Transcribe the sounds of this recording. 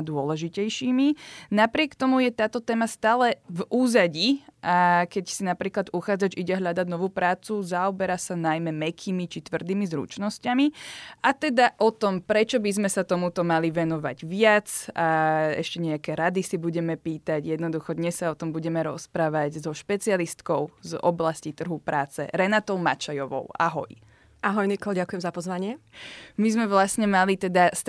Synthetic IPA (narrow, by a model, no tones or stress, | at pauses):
d̪ʊɔlɛʒicɛjʃiːminapɾɪɛkt̪ɔmujɛt̪aːt̪ɔt̪ɛːmast̪aːlɛvuːzaɟiakɛcsinapɾiːklad̪uxaːd͡zad͡ʒiɟɛɦlʎad̪aɟnɔʋuːpɾaːt͡suzaɔbɛɾasanajmɛmɛkʰiːmit͡ʃit̪ʋr̩d̪iːmizɾṵt͡ʃnɔscamiʔat̪ɛd̪aʔɔt̪ɔmpɾɛt͡ʃɔbizmɛsat̪ɔmut̪ɔmaliʋɛnɔʋa̰ɟʋɪat͡saɛ̰ʃcɛɲɛakɛɾad̪isibuɟɛmɛpiːt̪aɟjɛd̪nɔd̪uxɔd̪ɲɛssaɔt̪ɔmbuɟɛmɛɾɔspɾaːʋaɟzɔʃpɛt͡sialist̪kɔʊzɔ̰blascit̪r̩ɦupɾʔaːt͡sɛ̰ɾɛnat̪ɔʊma̰t͡ʃajɔʋɔ̰ʊʔa̰ɦɔ̰j | ʔaɦɔjnikɔlɟakujɛmzapɔzʋaɲɪɛmizmɛʋlasɲɛmalit̪ɛd̪as